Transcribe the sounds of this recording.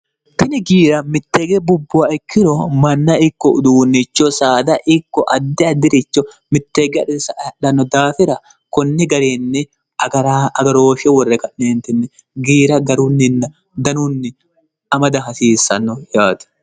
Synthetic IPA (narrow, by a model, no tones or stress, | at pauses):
t̪ɪnɪɡiːɾɐmɪt̪ːeːɡɛbʊbːʊɐɪkʰːɪɾɔmɐnːɐɪkːɔʊd̪uːnːɪt͡ʃːɔsaːd̪ɐʔɪkːɔʔɐd̪ːɪɐd̪ːɪɾɪt͡ʃːɔ | mɪt̪ːeːɡɛsᶑɐnːɔd̪aːfɪɾɐ | kɔnːɪɡɐɾeːnːɛ | ɐɾaɐɡɐɾoːfɛwɔrːɛkɐʔneːnt̪ɪnːɛ | ɡiːɾɐɡɐɾʊnːɪnːɐ | d̪ɐnʊnːɪ | ʔɐmɐd̪ɐɦɐsiːsːɐnːɔjaːd̪ɐ̥